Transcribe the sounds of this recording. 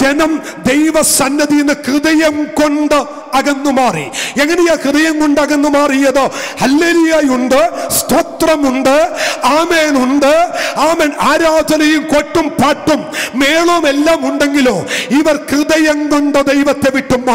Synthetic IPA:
d͡ʑenɐm | d̪ejʋɐsɐnːɐðijnːɨkrɨðɐjɐmko̞ɳɖɨ | ɐɣɐnːumaːrḭeŋːɐnejaːkrɨðɐjɐmko̞ɳɖɐɣɐnːumaːrijɐðɨhɐlːeːlujaːjuɳɖɨst̪ʰot̪rɐmuɳɖɨaːmeːnuɳɖɨaːmeːnaːɾaːd̪ʱɐnɐjumko̞ʈːumpaːʈːumːeːɭomelːaːmuɳɖe̞ŋɡilo̞ːiʋɐrkrɨðɐjɐŋko̞ɳɖɨd̪ejʋɐt̪ːe̞ʋiʈːumːaː

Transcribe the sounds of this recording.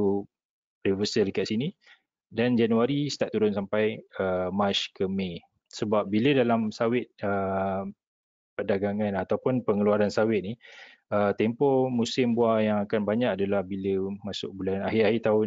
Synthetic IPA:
u | rivəsəlkaʔsini | dand͡ʒanuaɾist̪aʔt̪uɾʊnsampajəmat͡ʃkəmẽ | səbap̚bilədalamsawɪt̪̚ə | pədaɡaŋanat̪awpʊnpəŋəluaɾansawɪt̪̚ni | ət̪ɛmpɔmusɪmbuajaŋakanbaɲaʔadalahbiləmasʊk̚bulanaɦiaɦit̪aʊ

